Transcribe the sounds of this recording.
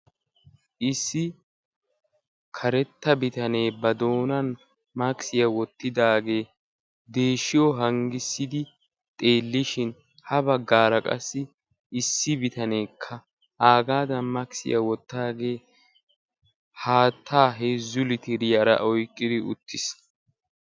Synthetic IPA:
ʔɪsːɪ | kʰɐɾɛt̪ːɐbɪt̪ɐne̞ːbɐd̪o̞ːnɐn | mɐksɪjɐwɔt̪ːɪd̪aːɡe̞ː | d̪e̞ːʃːɪjɔɦɐŋɡɪsːɪd̪ɪ | t̪ʼe̞ːlːɪʃɪn | hɐbɐɡːaːɾɐkʼɐ̰sːɪ | ɪsːɪbɪt̪ɐne̞ːkʰːɐ | ʔaːɡaːd̪ɐnmɐksɪ̰jɐwɔt̪ːaːɡe̞ː | haːt̪ʰːaːɦeːzːʊlɪt̪ɪɾɪjɐɾɐ̰ʔɔjkʼːɪd̪ɪʊ̰t̪ʰːɪs

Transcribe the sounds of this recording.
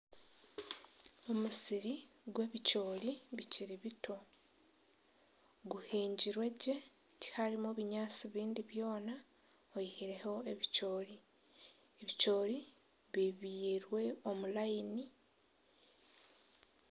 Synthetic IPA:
o̞musiɾiɡweːβico̞ːliβiciɾiβitʰo̞ | ɡuheːɲɟiɾwe̞ɟe̞ | ti̥haɾimoβiɲaːt͡siβiːndiβjo̞ːna | ojihiɾe̞ho̞e̞βico̞ːɾi | eβit͡ʃo̞ːɾi | βiβiːɾwe̞o̞mulaini

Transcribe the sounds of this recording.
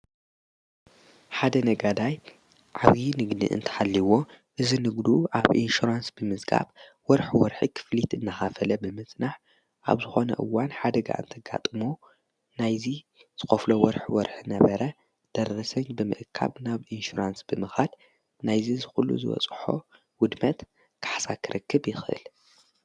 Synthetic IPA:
ħad̪ɐnɐɡad̪aj | ʕaβinɨɡd̪ḭʔɨ̰nt̪ʰɐ̥ħalːiwo̞ | ʔɨzinɨɡd̪uʔaβʔḭnʃuɾansb̥ɨmɨzɡa̰β | wɔɾħwɔɾħikʰɨ̥flit̪ɨnːaxafɐlɐbɨmɨt͡sʼnaħ | ʔa̰βzɨxo̞nɐ̰ʔɨwːanħad̪ɐɡa̰ʔɨ̰nt̪ʰɐɡa̰t̪ʼɨmu | najzi | z̥ɨxoflowɔɾħwɔɾħinɐβɐɾɐ | d̪̥ɐɾːɐsɐɲbɨmɨ̰ʔkʰːa̰βnaβʔinʃuɾansb̥ɨmɨxad̪ | najzizɨxulːṵzɨwɔ̰t͡sʼħo̰ | wʊd̪mɐt̪ | kʰḁħsakʰɨɾɨkʰːɨbjɪxʔɨ̰l

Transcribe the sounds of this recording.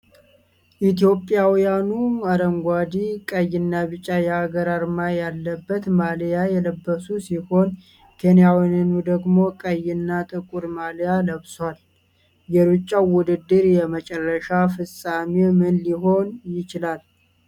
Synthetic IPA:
ʔit̪jo̞pʼːjawjanuaɾəŋɡʷad̪ikʼəjɪnːaβɨt͡ʃʼajɛaɡəɾaɾmajalːəbːət̪maljajɛləbːəsusiho̞n | kʰenjawinnud̪əɡmo̞kʼəjːɪnːat̪ʼɨkʼuɾmalijaləβswal | jɛɾut͡ʃʼːawʊd̪ɨd̪ːɨɾjɛmət͡ʃʼɛrːəʃafɨsʼamemɨnliɦo̞njɪt͡ʃɪlal

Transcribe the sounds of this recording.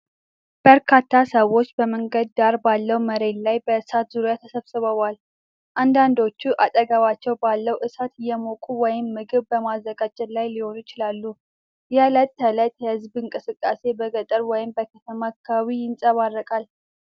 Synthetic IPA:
b̥əɾkʰat̪ʰːasəwo̞t͡ʃːbəməŋɡəd̪̚ːaɾbalːəwməɾe̞nlajbəɨsat̪zuɾjat̪ʰəsəβsɨβəβal | ʔand̪and̪o̞t͡ʃːuʔat̪ʼəɡaβat͡ʃːɛwbalːəwʔɨsat̪ɪjːɛmokʼuwɔjɪmːɨɡɨβbəmazːəɡad͡ʒɨlajliho̞njɪt͡ʃɪlalːu | jɛlət̪ːələt̪jɛhɨzbɨŋkʼɨsɨkʼːase̞bəɡət̪ʼəɾwɔjɪmbəkʰət̪ʰəmakʰːwijɪnsʼəβarːəkʼal

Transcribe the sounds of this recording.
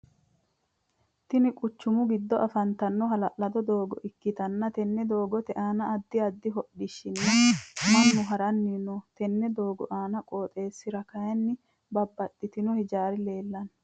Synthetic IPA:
t̪ɪnɪkʼʊt͡ʃːʊmʊɡɪd̪ːɔʔɐfɐnt̪ɐnːɔɦɐlɐʔlɐd̪ɔd̪oːɡɔ̰ʔɪkːɪt̪ɐnːɐt̪ɛnːɛd̪o̞ːɡɔt̪ɛʔaːnɐːd̪ːɪɐd̪ːɪɦɔɗɪʃɪnːɐmɐnːʊɦɐɾɐnːiːnɔt̪ɛnːɛd̪o̞ːɡɔʔaːnɐkʼoːt̪ʼe̞ːsːɪɾɐkɐjɛnːɪ | bɐbːɐt̪ʼːɪt̪ɪnɔhɪd͡ʒaːɾɪle̞ːlːɐn

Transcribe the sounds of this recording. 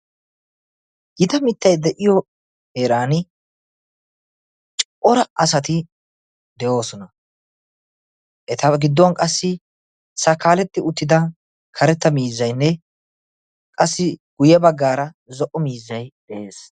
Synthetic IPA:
ɡ̥ɪd̪ɐmɪt̪ːɐjd̪ɛʔɪjɔ | heːɾaːnɪ | t͡ʃʼʔɔɾɐɐsɐt̪ɪ | d̪ɛjo̞ːsɔnɐ | ʔɛt̪ɐɡɪd̪ːɔwnkʼɐsːɪ | sɐkːaːlɛt̪ːɪʊt̪ːɪd̪ɐ | kʰɐɾɛt̪ːɐmiːzːɐjnːɛ | kʼɐsːɪɡ̥ʊjɛbɐɡːaːɾɐ | zɔʔɔmiːzːɐjd̪̥ɛʔe̞ːs

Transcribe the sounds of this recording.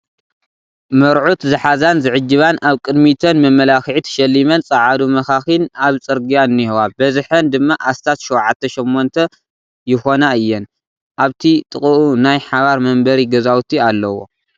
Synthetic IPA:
mɐɾʕut̪zɨħazanzɨʕɨd͡ʒːɨβanaβkʼɨd̪mit̪ʰɐnmɐmːɐlaxʕit̪ʰɐ̥ʃɐlːimɐnt͡sʼɐʕad̪umɐxaxɨnaβt͡sʼɨɾɡijanːihwabɐzɨħɐnd̪ɨmːaʔast̪ʰat̪ʃuwʕat̪ʰːɐʃomːont̪ʰɐ | jɪxo̞naɨjːɛn | ʔaβt̪ʰit̪ʼɨkʼɨʔunajħaβaɾmɐmbɐɾiɡɐzawut̪ʰialːɐwo̞̰

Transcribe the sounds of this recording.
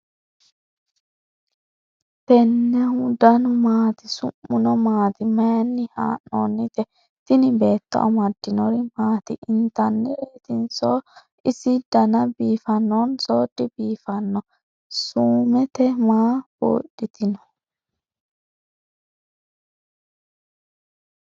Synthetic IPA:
pɛnːɛhʊd̪ɐnʊmaːt̪ɪsʊ̰mːʊnɔmaːt̪ɪmɐjnːɪha̰ːnːo̰ːnːɪt̪ɛ | t̪ɪnɪbe̞ːt̪ːɐ̰ʔɔ̰mɐd̪ːɪnɔɾɪmaːt̪ɪʔɪnt̪ɐnːɛet̪ɪnso | ɪsɪd̪̥ɐnɐbiːfɐnːonsoːd̪ːɪbiːfɐnːɔ | suːmɛt̪ɛmaːbo̰ːɗːɪt̪ɪnɔ̥

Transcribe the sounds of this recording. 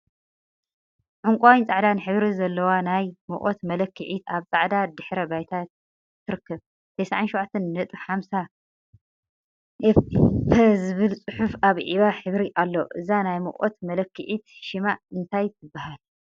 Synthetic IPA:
ʕʊŋkʷʼawint͡sʼaʕd̪anɨħɨβɾizɐlːɐwanajmɨʔʼot̪mɐlɐkʰːɨʕit̪aβt͡sʼaʕd̪ad̪ɨħɾɐbajt̪ʰat̪ | t̪ʰːɨɾɨkːɐβ | t̪ʰɐjsaʕanʃɔwʕat̪ʰːɐnːɐt̪ʼuħamsa | fʰɐzɨβɨlt͡sʼɨħufaβʕiβaħɨβɾiʔalːoʔɨzanajmɨ̰ʔʼo̰t̪mɐlɐkːɨʕit̪ʃɪmaʔɨnt̪ʰajt̪ʰɨbːahal

